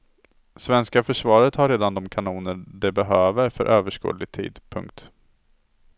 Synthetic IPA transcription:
svɛnskafœʂvɑːɾət̪haɾːeːd̪and̪ɔmkʰanuːnəɖɛbɛɦøːvəɾfœ̰ɾʔøːvəʂkṵːd̪lɪɡ̚t̪ʰḭːd̪pʰɵ̰ŋk̚t̪

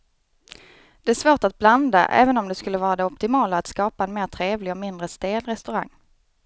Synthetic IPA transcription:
d̪̥ɛæʂvoːʈat̪̚bland̪a̰ʔɛ̰ːvənɔmd̪ɛskɵlːəvɑːɾad̪ɛɔpt̪ɪmɑːlaːt̪skɑːpaɛnmeːt̪ʰɾeːvlɪɡɔmɪnd̪ɾəst̪eːlɾɛst̪ɵɾaŋː

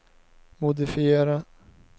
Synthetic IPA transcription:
mʊd̪ɪfɪeːɾa

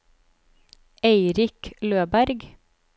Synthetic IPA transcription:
eɪɾɪkløːbæɾɡ

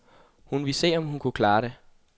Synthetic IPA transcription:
hunʋise̝̰ːɒ̽mhunkʰukʰlɑ̈ːɾe

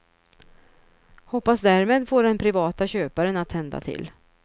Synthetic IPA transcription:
hɔpːasd̪æɾmeːd̪foːɖɛnpʰɾɪvɑːt̪aɕøːpaɾənat̪ʰːɛnd̪a̰t̪ʰɪ̰l

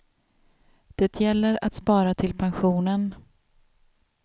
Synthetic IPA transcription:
d̪̥ɛt̪ʰjɛlːəɾa̰t̪spɑːɾat̪ʰɪlpʰanɧuːnən

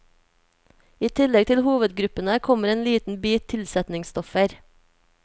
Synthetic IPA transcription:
iːt̪ʰɪlɛɡ̚t̪ʰɪlhuːʋəd̪ɡɾʉpənəkʰɔməɾeːnliːt̪n̩byːt̪ʰːɪlsɛt̪nɪŋst̪ɔfəɾ

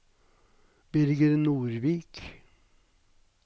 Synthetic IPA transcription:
b̥ʏɾɡəɾnuːɾʋiːk

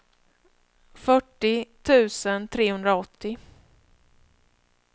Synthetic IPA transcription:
fœʈːɪt̪ʰʉ̟ːsənt̪ʰɾeːhɵnd̪ɾaɔt̪ʰːɪ

